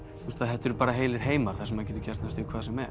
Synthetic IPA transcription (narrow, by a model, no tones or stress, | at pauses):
θθust̪θaðɦɛt̪ːɛɾpaːɾaɦeːjlɪɾ̥ɦeːjmaɾ̥θasɛmaðc̬ɛːt̪ʏcɛɾ̥t̪nast̪ʏkʰvaːðsɛmɛ